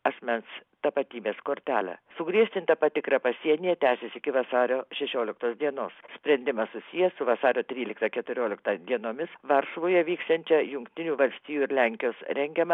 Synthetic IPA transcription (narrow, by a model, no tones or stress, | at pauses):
ɐsʲmʲɛnst̪ɐpɐt̪ʲiːbʲeːskoːɾʲt̪ʲæːlʲɛ̰sʊɡɾʲiɛʃʲt̪ʲɪnt̪ɐpɐt̪ʲɪkɾɐpɐsʲiɛnʲijɛt̪ʲæːsʲesʲɪkʲɪʋɐsɑːɾʲoːʃʲɛʃʲoːlʲɪk̚t̪oːsd̪ʲiɛnoːssʲpʲɾʲɛnʲd̪ʲɪmɐssʊsʲijɛsʊʋɐsɑːɾʲoːt̪ʲɾʲiːlʲɪkt̪ɐkʲɛt̪ʊɾʲoːlʲɪkt̪ɐd̪ʲiɛnoːmʲɪsʋɐɾʃʋoːjɛʋʲiːkst̪ɐnʲt͡ʃʲɛjʊŋkt̪ʲɪnʲuːʋɐlʲsʲt̪ʲiːjuːɪɾlʲæŋʲkʲɪjoːsɾʲɛŋʲɡʲɛmɐ